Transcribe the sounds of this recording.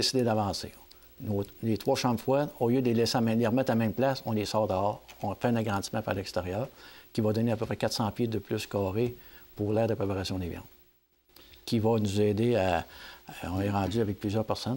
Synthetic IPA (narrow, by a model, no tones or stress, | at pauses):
esid̪ed̪avɑ̃ːsḛ | nolet̪ʁwaʃɑ̃mfwaoljød̪əlelɛsealeʁmɛt̪amɛ̃mplasɔ̃lesɑːʁd̪əɑːʁɔ̃fɛɛ̃naɡʁɑ̃d͡z̪zismãpaʁlɛkst̪eʁjœːʁkʲivad̪ɔneapøpʁɛkat̪sɑ̃pjed̪əplʏskɑːʁepuʁlɛːʁd̪əpʁepaʁasjɔ̃d̪eːvjã̰ːd̪ | kʲivanuzɛːd̪ea | ɔ̃nɛʁɑ̃d͡zyavɛk̚plyzjœːʁpɛʁsɔn